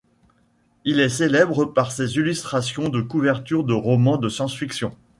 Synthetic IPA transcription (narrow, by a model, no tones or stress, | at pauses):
ilɛselɛbʁəpaʁsezilyst̪χasjɔ̃d̪əkuvɛʁt̪yʁd̪əʁɔmɑ̃d̪əsjɑ̃sfiksjɔ̃